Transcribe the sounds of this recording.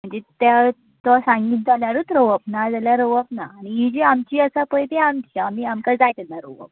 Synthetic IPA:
m̤əɳd͡zet̪ja | t̪asãŋɡiːt̪̚d͡zaljaɾuːt̪ɾəʋəpnad͡zaljaɾəʋəpnaːɽ̃iɦid͡ʑiamt͡ɕiːəsapəjt̪eamt͡ɕiamiamkad͡zajt̪ɛnːaɾoʋə̰p̚

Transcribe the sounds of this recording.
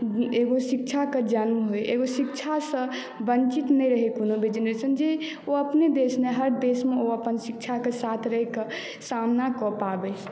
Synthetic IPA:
eɡosik̚t͡ʃʰaked͡ʒənmɦojeɡosikt͡ʃʰasə̃ | bənt͡ʃit̪nɛjɾəɦekonobʱed͡ʒənət͡ʃʰənd͡ʒe | oəpned̪esneɦəɾd̪esmeoəpənsik̚t͡ʃʰakesat̪ʰɾəɦɛke | samnakɔpabɛ

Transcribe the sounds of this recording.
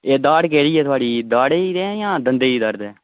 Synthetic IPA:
eːd̪aːɽkeːɽiːɛːt̪ʰʊaːɽiːd̪aːɽeːiːd̪ẽːjãːd̪ənd̪eːiːd̪əɾd̪ẽː

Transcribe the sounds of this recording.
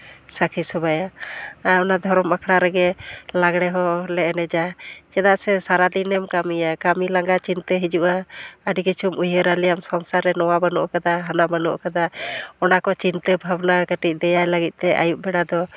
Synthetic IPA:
sakʰisɔbajaajɔnad̪ʱɔɾɔmbakʰɽaɾɛɡɛlaɡɽɛɦɔlɛnɛd͡ʒat͡ʃɛd̪aʔsɛsaɾad̪inɛmkamijakamilaŋɡat͡ʃint̪əɦid͡ʒuʔaːɖikit͡ʃʰumujəɾalijamsɔŋsaɾɛnɔwabənɔʔkad̪aɦanabənɔ̰ʔkad̪aɔnakɔt͡ʃint̪əbʱabnakəʈic̚d̪ɛjajlaɡit̪̚ˀt̪ɛʔa̰juʔ̚bɛɽad̪ɔ

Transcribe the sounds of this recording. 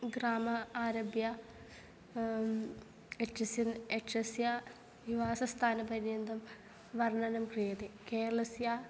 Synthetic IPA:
ɡraːmɐaːɾɐbja | eʈːɐsjɐneʂɐsja | iʋaːsɐst̪ʰaːnɐpɐɾijend̪ɐm | ʋɐrɳɐnɐmkrijɐd̪ikeːɾɐɭɐsja

